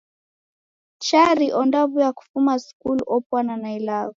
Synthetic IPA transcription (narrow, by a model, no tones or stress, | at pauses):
t͡ʃaɾiʔɔndavujaku̥fumaskulɔpwananailaɣɔ